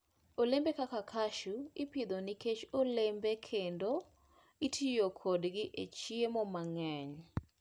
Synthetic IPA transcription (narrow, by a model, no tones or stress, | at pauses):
olembekakakʰaʃuɪpɪd̪oniket͡ʃolembekʰendo | itʰijokʰodɡɪʔet͡ʃiemɔmaŋɛɲ